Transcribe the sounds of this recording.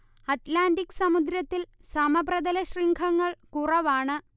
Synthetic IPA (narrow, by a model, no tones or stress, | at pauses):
ɐtlaːndikːsɐmud̪ɾjɐt̪ːilsɐmɐbrɐd̪ɐlɐɕriːŋɡʰʱɐŋːɐɭkurɐʋaːɳɨ